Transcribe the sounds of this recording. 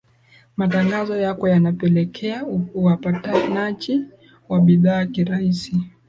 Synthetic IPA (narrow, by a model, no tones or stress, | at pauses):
mataŋɡazɔjakɔjanapɛlɛkʰɛauwapatanat͡ʃi | waɓiðaːkiɾaisi